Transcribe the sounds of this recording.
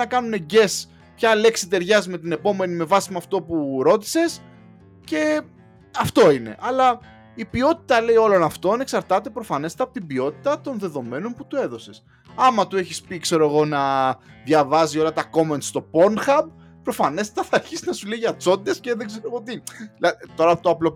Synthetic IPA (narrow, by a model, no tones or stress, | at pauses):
ɐkɐnune̞ɟe̞s | pçɐle̞ksit̪e̞ɾʝɐzme̞t̪ine̞po̞me̞nime̞vɐsimeɐft̪o̞puɾo̞t̪̬i̥se̞s | ce̞ | ɐft̪o̞ine̞̰ʔɐlɐ | ipiot̪i̥t̪ɐle̞io̞lo̞nɐft̪o̞ɐne̞ksɐɾt̪ɐt̪e̞pɾo̞fɐne̞st̪eɐpot̪ibio̞t̪it̪ɐt̪o̞nðe̞ðo̞me̞no̞nput̪ue̞ðo̞se̞s | ɐmɐt̪ue̞çispikse̞ɾo̞eɣo̞nɐðʝɐvɐzio̞lɐt̪ɐko̞me̞nt̪st̪o̞po̞nxɐb | pɾo̞fɐne̞st̪ɐθɐːɾçisinɐsuleʝɐt͡so̞t̪it̪esceðeɡze̞ɾoɣoot̪ilɐt̪o̞ɾɐpot̪oɐplo̞